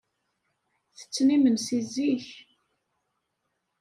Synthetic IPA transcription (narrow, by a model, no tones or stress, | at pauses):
θə̥t͡sːnimənsiziç